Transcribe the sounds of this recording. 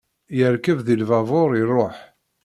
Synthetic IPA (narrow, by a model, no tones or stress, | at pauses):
jəɾkəvðilvɑvoɾˤirˤːoħ